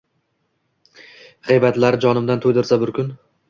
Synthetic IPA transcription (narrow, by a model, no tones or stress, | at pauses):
ʁejbat̪laɾɪd͡ʒɒnɪmd̪ant̪ʰojd̪ɪɾsabɪɾkʲʊn